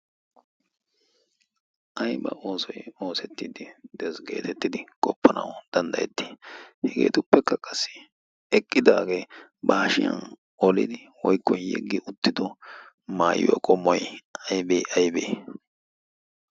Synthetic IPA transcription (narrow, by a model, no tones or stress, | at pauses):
ʔɐjbɐ̰ʔo̞ːsɔjo̞ːsɛt̪ːiːd̪ɪd̪̥ɛsɡe̞ːt̪ɛt̪ːɪd̪ɪkʼɔpːɐnɐ̰wd̪̥ɐnd̪ɐjɛt̪ːi̥ːhɛɡe̞̰ːt̪ʊpːɛkːɐkʼɐsːɪ̥ | ɛkʼːɪd̪aːɡeː | baːʃɪjɐ̰n | ɔlɪ̰d̪ɪ | wɔjkːɔjjɛ̰ɡːɪʔʊt̪ːɪd̪ɔ | maːjʊ̰wɐ̰kʼɔmːɔjɐjbeʔɐjbeː